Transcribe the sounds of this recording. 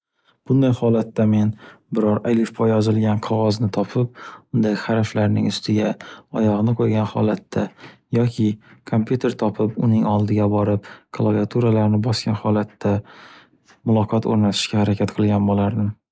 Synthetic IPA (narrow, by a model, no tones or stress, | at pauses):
b̥ʊnd̪ajhɒlat̪ːame̞nbɪɾɒɾalɪfpʰɒjɒzɪlɡʲanqʰɒʁɒznɪt̪ʰɒpʰɪp̚ʊnd̪ahaɾaflaɾnɪŋʊst̪ʰɪɡʲaɒjɒʁnɪqʰojɡʲanhɒ̰lat̪ːajɒkʲʰɪkʰompjut̪ʰe̞ɾt̪ʰɒpʰɪpʊnɪŋɒlˠd̪ɪɡʲabɒɾɪp̚kʰalˠaviat̪ʰuɾalaɾnɪbɒskʲanhɒlat̪ːa | mʊlˠɒqʰɒt̪ʰo̰ɾnat̪ʰɪ̥ʃkʲahaɾakʲʰat̪qʰɨlˠɡʲanbolaɾd̪ɪm